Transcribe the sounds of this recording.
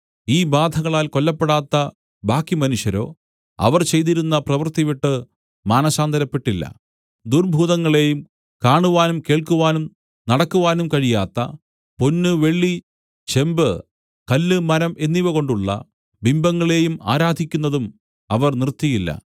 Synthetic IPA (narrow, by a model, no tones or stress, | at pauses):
iːbaːd̪ʱɐɣɐɭaːlko̞lːɐpːeɽaːt̪ːɐ | bʱaːkːimɐnuʂjɐɾo̞ː | ɐ̰ʋɐrt͡ɕe̞jt̪iɾunːɐprɐʋɐrt̪iʋiʈːɨ | maːnɐsaːnd̪ʱɐɾɐpːe̞ʈːilːɐ̰ | d̪urbʱuːðɐŋːɐɭe̞jum | kaːɳuʋaːnumke̞ːɭkuʋaːnum | nɐɽɐkːuʋaːnumkɐɻijaːt̪ːɐ̰ | ponːɨʋe̞ɭːi | t͡ɕe̞mbɨ | kɐlːɨmɐɾɐmʔe̞nːiʋɐɣo̞ɳɖuɭːɐ̰ | bimbɐŋːɐɭe̞ːjuma̰ːɾaːd̪ʱikʲːunːɐðum | ɐʋɐrnirt̪ːijilːɐ̰